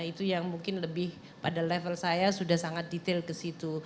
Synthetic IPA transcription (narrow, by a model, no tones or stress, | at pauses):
it̪ujaŋmuŋkɪnləbɪh | padalɛfəlsajasudahsaŋat̪̚dit̪elkəsit̪u